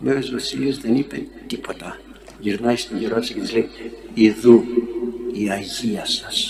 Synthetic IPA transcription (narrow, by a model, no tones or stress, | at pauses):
mevezvɐsiliezðe̞nipet̪ipo̞t̪ɐ | ʝiɾnɐist̪oʝiɾot̪isɐcet̪izle̞iiðu | iɐʝiɐsɐ̥s